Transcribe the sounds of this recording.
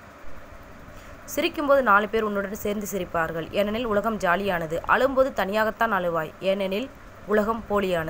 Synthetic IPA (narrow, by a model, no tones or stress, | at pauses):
sɪɾɪkːɯmpoːðɯnaːlɯpeːɾʊnːɯɽɐnseːɾnd̪ɯsɪɾɪpːaːɾɣɐɭʔɛnːɐnɪlʊɭɐɣɐmd͡ʒaːlɪjaːnɐðɯʔɐ̰ɭɯmpoːðɯt̪ɐnɪjaːɣɐt̪ːaːnɐɭɯʋaːjɛnːɛnɪl | ʊɭɐɣɐmpoːlɪjaːnɐðɯ